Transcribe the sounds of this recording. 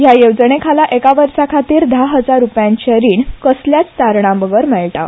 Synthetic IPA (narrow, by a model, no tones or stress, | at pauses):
jajewd͡zəɳekʰalaʔekaʋəɾsakʰat̪iːɾd̪aɦəd͡zaɾːupjãɲt͡ɕəɾiːɳkəsljat͡st̪aɾɳ̃ãbəɡəɾmɛɭʈa̰